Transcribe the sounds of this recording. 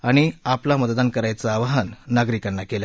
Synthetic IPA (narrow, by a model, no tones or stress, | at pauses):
aɽ̃iaplamət̪d̪ankəɾajt͡saːʋaɦanːaɡɾikanːakela